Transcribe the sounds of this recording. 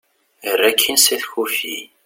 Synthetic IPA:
ərːækʰːinsiθçufi

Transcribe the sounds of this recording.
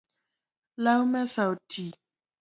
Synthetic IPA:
laumɛsautʰi

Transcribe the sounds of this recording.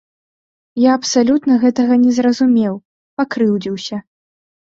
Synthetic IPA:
jaɐpsalʲut̪nɐɣɛt̪ɐɣɐnʲɛzrɐzumʲɛw | pakɾɨwd͡zʲiwsʲɐ

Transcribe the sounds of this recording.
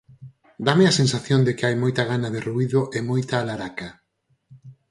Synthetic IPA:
d̪ameasẽnsaθjond̪ɪkɪajmojt̪aɣanaðɪruiðoʔemojt̪aːlaɾaka

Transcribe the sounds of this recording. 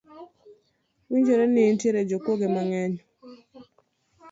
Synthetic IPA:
wiɲd͡ʒoɾeniːntjeɾed͡ʒokwoɡemaŋɛɲ

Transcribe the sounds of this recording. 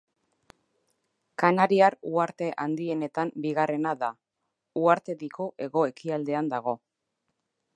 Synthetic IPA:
kanaɾiaɾuaɾt̪e̞ʔand̪ie̞ne̞t̪ambiɣare̞naða | uaɾt̪e̞ðiko̞ʔe̞ɣo̞e̞kiald̪e̞and̪aɣ̞o̞

